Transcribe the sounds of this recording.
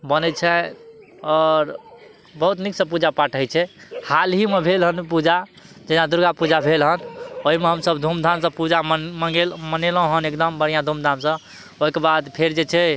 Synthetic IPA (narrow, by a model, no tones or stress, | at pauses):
bənɛt͡ʃʰɛ | ɔɾ | bəɦut̪niksə̃pud͡ʒapaʈʰəjt͡ʃʰɛhalɦimebʱelɦənpud͡ʒad͡ʒenad̪uɾɡapud͡ʒabʱelɦənoɦimeɦəmsəbd̪ʱumd̪ʱamsə̃pud͡ʒaməɡelmənelɦõɦənekd̪əmbəɽ̤ijãd̪ʱumd̪ʱamsə̃ | oɦikebad̪pʰeɾd͡ʒet͡ʃʰɛ